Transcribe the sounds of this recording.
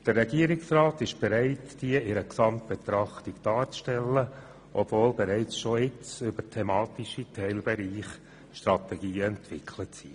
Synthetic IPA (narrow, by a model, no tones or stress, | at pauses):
d̥ərːɛɡiəɾɪksrɑːt̪ɪʃb̥ɛɾæɪtd̥iəɪɾəksɑmt̚b̥et̪ɾɑχt̪iɡd̥ɑːɾt͡sʃtɛlːə | ʔɔb̥voːlbɛɾæɪt͡sʃoɪt͡sʏbəɾtʰɛmɑːt̪iʃitʰɛɪlbɛɾiːχ | ʃt̪ɾɑt̪ɛɡiːəɛntʋɪkʰlət͡si